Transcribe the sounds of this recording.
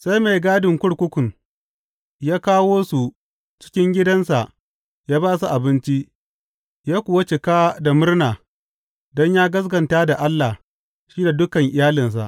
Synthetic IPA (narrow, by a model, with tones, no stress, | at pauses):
sa˦jma˨jɡaː˦dɪ˨ŋkʷʊ˦ɽkʷʊ˦kʷʊ˨ŋ | jaː˦kaː˦woː˦su˨ | t͡ʃɪ̥˦kʲɪ˦ŋɡʲɪ˦dɐ˦nsa̰˨ʔ | jaː˦baː˦s̬u˨ʔa˨bɪ˦nt͡ʃi˦ʔ | jaː˦kʷʊ˨wɐ˦t͡ʃɪ˨kaː˦da˨mʊ˦rnaː˨ | dɔ˦ɲjaː˦ɡɐ˦s̬ɡɐ˨ntaː˦da˨ʔa˦lːa˨ | ʃiː˦da˨dʊ˦kɐ˨ŋʔɪ˨jaː˦lɪ˨ns̬a̰˨ʔ